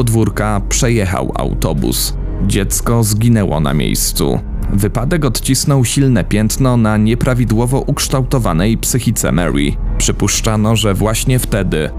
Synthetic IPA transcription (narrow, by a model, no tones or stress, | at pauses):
ɔd̪vuɾkapʂɛjɛxa̰wa̰wt̪ɔbṵs | d͡ʑɛt̪skɔzɡʲinɛwɔ̰na̰mʲjḛjst̪sṵ | vɘpad̪ɛkɔt̪t͡ɕisnɔwɕilnɛpʲjɛnt̪nɔnaɲɛpɾavʲid̪wɔvɔʔukʂt̪awt̪ɔvanɛjpsɘxʲit̪sɛ̰mɛ̰ɾḭpʂɘpuʂt͡ʂanɔʐɛvwaɕɲɛft̪ɛd̪ɘ